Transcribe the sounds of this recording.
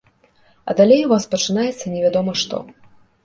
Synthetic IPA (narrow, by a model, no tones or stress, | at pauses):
ɐ̰d̪alʲejvɔspɐt͡ʂɨnajɛt̪sːɐnʲɛvʲad̪ɔmɐʂt̪ɔ̰